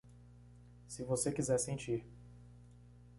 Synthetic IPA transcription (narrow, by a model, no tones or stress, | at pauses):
sɪvosekizɛɾsẽnt͡ʃiɾ